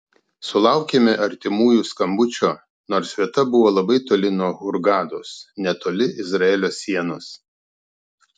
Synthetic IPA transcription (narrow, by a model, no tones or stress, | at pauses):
sʊlˠɑʊkʲeːmʲɪʔɐɾʲt̪ʲɪmuːjuːskɐmbʊt͡ʃʲoː | noːɾsʋʲiɛt̪ɐbʊʋoːlˠɐbɐɪt̪oːlʲɪnuɔhʊɾɡɑːd̪oːsnʲɛt̪oːlʲɪʔɪzɾɐɛːlʲoːsʲːiɛnʊs